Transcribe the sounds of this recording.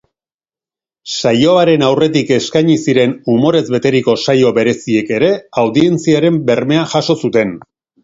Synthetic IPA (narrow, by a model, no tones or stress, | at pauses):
sajo̞aɾe̞nawre̞t̪̬ike̞skaɲisiɾe̞numo̞ɾe̞zbe̞t̪e̞ɾiko̞sajo̞be̞ɾe̞sie̞ke̞ɾe̞awðie̞nt͡siaɾe̞mbe̞rme̞aʝaʃo̞sut̪e̞n